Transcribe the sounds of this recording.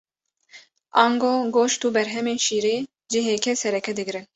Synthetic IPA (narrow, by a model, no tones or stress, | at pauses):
ʔɑːŋɡoːɡoːʃt̪uːbɛɾɦɛmeːnʃiːɾeː | d͡ʒɪɦeːkɛsɛɾɛkɛd̪ɨɡɾɨn